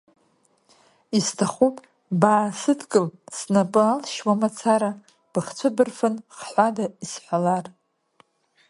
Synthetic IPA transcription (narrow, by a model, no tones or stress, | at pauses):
istʰaχupʼ | baːsɨdkʼɨlsnapʼɨalʃwamat͡sʰaɾa | b̥ɨχt͡sʷʰɨbɨrfɨnχħʷadaisħʷalar